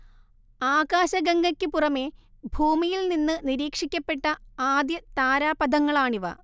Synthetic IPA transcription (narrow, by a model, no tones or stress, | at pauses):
aːɡaːɕɐɡɐŋɡɐkʲːɨpurɐme̞bʱuːmijilninːɨniɾiːkʂikʲːɐpːe̞ʈːɐaːd̪jɐt̪aːɾaːpɐd̪ʱɐŋːɐɭaːɳiʋɐ̰